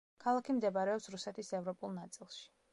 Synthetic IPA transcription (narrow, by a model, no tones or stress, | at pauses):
kʰalˠakʰimd̪ɛbaɾɛɔpsɾusɛt̪ʰisɛvɾɔpʼulˠnat̪sʼilˠʃi̥